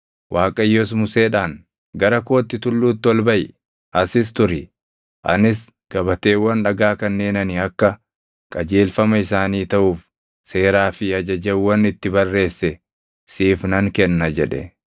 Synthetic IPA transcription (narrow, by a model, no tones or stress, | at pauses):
wʔaːkʼɐjːɔs̬mʊseːᶑaːn | ɡɐɾɐko̞ːt̪ːɪt̪ʊlːuːt̪ːɪɔlbɐj | ʔɐsɪst̪ʊɾɪ | ʔɐ̰nɪs | ɡ̥ɐbɐt̪e̞ːwːɐnᶑɐɡaːkɐnːe̞ːnɐnɪɐkːɐ | kʼɐd͡ʒe̞ːlfɐmɐɪsaːniːt̪ɐʔuːf | se̞ːɾaːfɪɐd͡ʒɐd͡ʒɛwːɐnɪt̪ːɪbɐrːe̞ːsːɛ | siːfnɐŋkɛnːɐd͡ʒɛᶑɛ̰